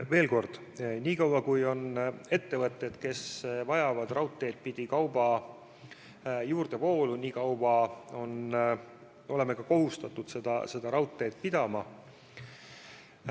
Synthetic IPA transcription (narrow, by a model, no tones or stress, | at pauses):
ve̞ːlko̞rd̪̥ | niːkɑwɑkujo̞ne̞t̪ːe̞vɤt̪ːˑe̞d̪̥ke̞svɑjɑvɑd̪rɑwt̪ːˑe̞jd̪̥̚pid̪̥ikɑwbɑ | juːrd̪̥e̞po̞ːluniːkɑwwɑo̞n | o̞leme̞kɑko̞ɦust̪ɑt̪ːˑud̪̥se̞d̪̥ɑ̰se̞d̪̥ɑɾɑwt̪ːˑe̞ːt̪̚pid̪̥ɑmɑ